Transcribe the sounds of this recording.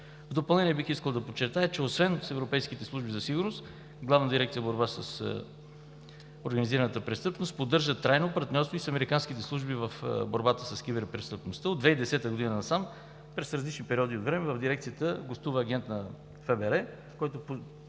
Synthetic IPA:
vd̪opɐlˠnɛniɛbixiskəlˠd̪ɐpot͡ʃːɛɾt̪ajət͡ʃɛosvɛnsɛvɾopɛjskit̪ɛslˠuʒbizɐsiɡʊɾnost̪ | ɡlˠavnəd̪iɾɛk̚t̪iəboɾbasəs | oɾɡəniziɾənət̪əpɾɛst̪ɤpnost̪pod̪ːɤɾʒət̪ɾajnopɐɾt̪nʲɔɾst̪voisɐmɛɾikansk̟it̪ɛslˠuʒbivəfboɾbat̪əsɐsk̟ibɛɾpɾɛst̪əpnost̪əod̪vɛid̪ɛsɛt̪əɡod̪inənɐsam | pɾɛsɾɐzlit͡ʃnipɛɾiɔd̪iot̪vɾɛmɛvəvd̪iɾɛk̚t̪sijət̪əɡlost̪uvəːɡ̟ʲɛnt̪nɐ | fɛbɛɾɛ | kɔjt̪op

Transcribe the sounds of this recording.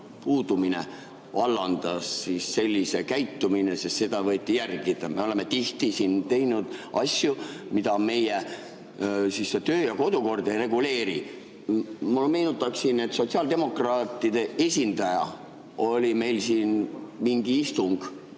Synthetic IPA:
puːd̪uminḛ | vɑlːɑnd̪̥ɑsːisːe̞lʲːise̞kæjt̪ːumine̞sest̪se̞d̪̥ɑvɤ̞jt̪ʲːˑijærɡ̥id̪̥ɑmeo̞le̞me̞t̪iht̪isint̪e̞jnud̪̥ɑ̰sʲjumid̪̥ɑme̞je | sisːet̪øːjɑko̞d̪uko̞rd̪̥ejre̞ɡ̥ule̞ːɾi | mulme̞jnut̪ːˑɑksine̞t̪so̞tsiɑld̪̥e̞mo̞krɑːt̪ːˑid̪̥e̞e̞sʲind̪ɑjɑ̰ | o̞lʲime̞jlsiːnmiŋɡ̥iist̪uŋɡ̥

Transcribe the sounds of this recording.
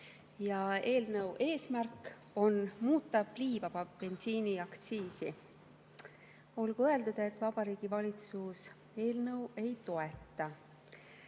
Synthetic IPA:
jɑe̞ːlnɤwʔe̞ːsmærko̞nmuːt̪ːˑɑb̥liːvɑvɑpe̞nsiːniɑkt̪siːsi | o̞lɡ̥uøe̞ld̪ud̪̥e̞t̪ːˑvɑb̥ɑɾiːɡ̥ivɑlʲit̪sus | e̞ːlnɤwe̞jt̪o̞e̞t̪ːˑɑ

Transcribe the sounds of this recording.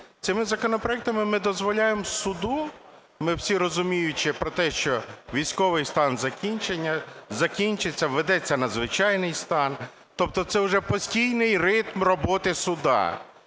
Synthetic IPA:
t̪sɪmɪzɐkɔnɔpɾɔɛk̚t̪ɐmɪmɪd̪ɔzʋɔlʲajemsʊd̪u | mɪwsʲiɾɔzʊmʲijʊt͡ʃɪpɾɔt̪ɛʃt͡ʃɔʋʲijsʲkɔʋɪjst̪ɑnzɐkʲinʲt͡ʃenʲːɐzɐkʲinʲt͡ʃɪt͡sʲːɐʋed̪ɛt͡sʲːɐnɐzʋɪt͡ʃɑjnɪjst̪ɑn | t̪ɔp̚t̪ɔt̪sɛʊʒɛpɔsʲtʲijnɪjrɪt̪mrɔbɔt̪ɪsʊd̪ɑ̰

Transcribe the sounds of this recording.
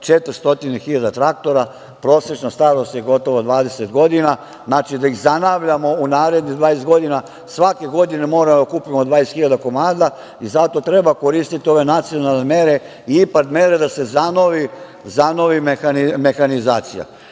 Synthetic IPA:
t͡ʃet̪ɾst̪o̞t̪inexiʎad̪at̪ɾak̚t̪o̞ɾa | pɾo̞ːse̞t͡ʃnast̪aɾost̪je̞ɡo̞t̪o̞ʋod̪ʋaːd̪e̞set̪ɡo̞d̪ina | znaːt͡ʃid̪aiɣzanaːʋʎamo̞unaːɾe̞d̪niɣd̪ʋaːjest̪ɡo̞d̪ina | sʋake̞ɡo̞d̪ine̞mo̞ːɾamd̪okuːpimod̪ʋaːjest̪xiʎad̪ako̞maːd̪a | izat̪o̞t̪ɾe̞bako̞ɾiːst̪it̪io̞ʋe̞nat̪sio̞nalˠneme̞ɾe̞ | iipat̪me̞ɾed̪ase̞zano̞ʋi | zano̞ʋimeanime̞xanizaːt̪sija̰

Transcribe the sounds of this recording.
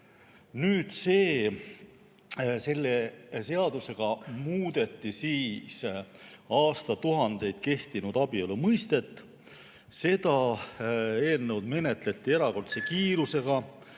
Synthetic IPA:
nyːd̪̥se̞ː | se̞lːese̞ɑd̪̥use̞ɡ̥ɑmuːd̪̥e̞t̪ˑːisiːs | ɑːst̪ɑt̪uɦɑnd̪e̞jd̪̥ke̞ht̪inud̪̥ɑbiolːumɤjst̪e̞t̪ːˑ | se̞d̪ɑ | e̞ːlne̞wd̪̥me̞ne̞t̪le̞t̪ːie̞ɾɑko̞rt̪se̞kiːɾuse̞ɡ̥ɑ

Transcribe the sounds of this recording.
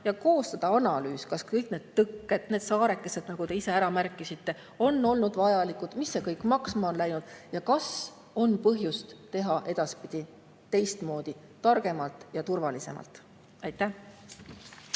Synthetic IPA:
jɑko̞ːst̪ɑd̪̥ɑɑnɑlyːskɑskɤjkne̞ːd̪̥t̪ːɤkːe̞d̪̥ne̞ːd̪̥sɑːɾe̞kːˑe̞se̞d̪̥nɑɡ̥ut̪e̞ise̞æɾɑmærkːˑisit̪ːe̞ | o̞nːo̞lnud̪vɑjɑlikud̪̥misːe̞kɤjkmɑksmɑo̞nlæjnud̪̥jɑkɑs | o̞npɤɦjust̪t̪ːe̞ɦɑʔe̞d̪̥ɑspid̪̥i | t̪e̞jst̪mo̞ːd̪̥i | t̪ɑrɡ̥e̞mɑlt̪ˑjɑt̪urvɑlise̞̰mʔɑ̰lt̪ˑ | ɑjt̪ːæ

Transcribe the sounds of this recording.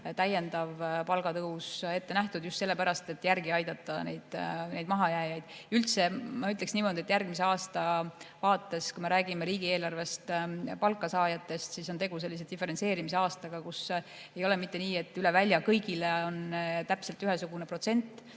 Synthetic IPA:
t̪æje̞nd̪ɑvpɑlɡ̥ɑt̪ɤuse̞t̪ːe̞næht̪ud̪̥just̪se̞lːe̞pæɾɑst̪e̞t̪ːˑjærɡiɑjd̪̥ɑt̪ːˑɑnejd̪̥nejd̪mɑɦɑjæːjɑjd̪̥ylt̪se̞mɑyt̪le̞ksniːmo̞d̪ie̞t̪ːˑjærɡ̥mis̬e̞ɑːst̪ɑvɑːt̪ːˑe̞skume̞ɾæːɡime̞ɾiːɡ̥ie̞ːlɑrve̞st̪pɑlkːˑɑsɑːjɑt̪ːˑe̞st̪siso̞nt̪e̞ɡ̥use̞lːis̬ed̪ife̞ɾense̞ːɾimiseɑːst̪ɑɡ̥ɑkus | e̞jole̞mit̪ːe̞niːe̞t̪ːˑyle̞vælʲjɑkɤjɡileo̞nt̪æpse̞lt̪ːyɦesuɡ̥une̞pro̞t̪se̞nt̪ːˑ

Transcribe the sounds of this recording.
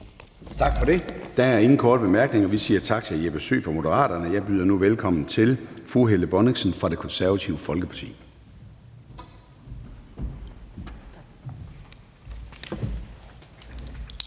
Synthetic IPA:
t͡sʰɑ̈ɡ̥fɒɾ̥e̝d̥ææɐe̝ŋn̩kʰɒːd̥b̥e̝mæɐɡ̥ne̝ŋɒʋisiːɐt͡sʰɑ̈ɡ̥̚t͡sʰe̝æjiɐb̥esø̰ːfʁɒmo̝dəʁɑ̰̈ːd̥ɐnəjɑ̈ɪb̥yːð̞ˠɐnuʋelkʰɒ̽m̰n̩t͡sʰe̝lfʁuɦeləb̥ɒneɡsənfʁɑ̈d̥e̝kʰɒ̽nsæɐʋæt͡sʰiʊəfɒ̽lɡ̥əpʰɑ̥̈t͡sʰḭː

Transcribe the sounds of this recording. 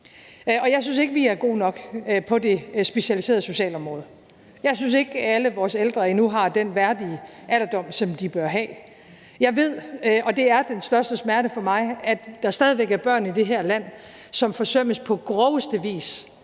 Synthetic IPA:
ɒ̽jɑɪsynse̝ɡ̥əʋiæɐɡ̥o̝̰ːnɒ̽ɡ̥pʰɒ̽de̝sb̥e̝ɕiælise̝ːɐðˠso̝ɕɛ̰ːlɒ̽mʁɔ̽ːð̞̩ˠ | jɑ̈ɪsynse̝ɡ̥æləʋɒːseld̥ʁɐe̝nuɦɑ̈d̥enʋæɐd̥iəʔælɐd̥ɒ̽m̰sɒ̽md̥ib̥ɶɐɦɛ̰ː | jɑ̈ɪʋe̝ð̞̰ˠɒ̽d̥e̝æɐd̥ensd̥ɶɐsd̥əsmæɐɾəfɒ̽mɑ̈ɪæd̥d̥ɑ̈sd̥ɛːðˠiʋeɡ̥æɐb̥ɶɐ̰nid̥e̝ɦæɐ̰læn̰ | sɒ̽mfɒ̽søm̰əspʰɒ̽ɡ̥ʁɒʊəsd̥əʋḭːs

